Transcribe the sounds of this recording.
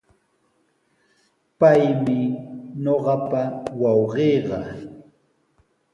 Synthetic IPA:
pajmɪɲoɢɑpawɑwɢeːɢɑ

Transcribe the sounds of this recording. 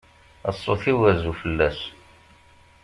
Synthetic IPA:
ə̰sˤːoθiwæzufəlːæs

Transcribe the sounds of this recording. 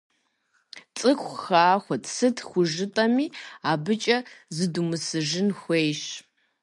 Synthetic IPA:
t͡sʼɨxʷxaːxʷɔtsɨtʰxʷʊʒɨtʼɐmiːaːbɨt͡ʃʼɐzɨdumɨsɨʒɪnxʷejʃ

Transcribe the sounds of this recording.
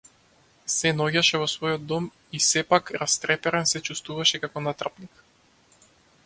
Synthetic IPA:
sɛnɔɟaʃɛvɔsvɔjɔd̪ːɔm | isɛpakɾast̪ɾɛpɛɾɛnsɛt͡ʃust̪vuvaʃɛkakɔnat̪rapnik

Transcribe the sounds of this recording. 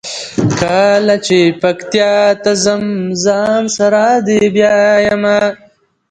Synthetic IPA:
kʰalat͡ʃepɐkt̪ijat̪ɐzɐmzaːmsɐɾaːd̪ebjaːjɐma

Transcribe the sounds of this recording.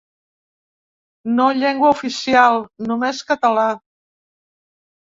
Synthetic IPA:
noʎɛŋɡwəufisialˠnumeskət̪əla

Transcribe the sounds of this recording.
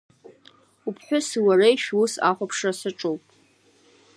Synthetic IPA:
upʰħʷᶣʊsiwarejʃᶣusa̰χʷapʰʂasɨʈ͡ʂʼowpʼ

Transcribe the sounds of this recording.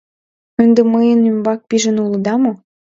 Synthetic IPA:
ønd̪ĕməjə̆nymbɑk̚piʒə̆nulˠɤ̆d̪ɑmo

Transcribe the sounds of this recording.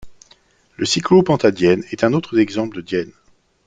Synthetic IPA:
ləsiklopɑ̃t̪ad̪jɛnɛt̪ɛ̃not̪χəzɛɡzɑ̃pləd̪əd̪jɛn

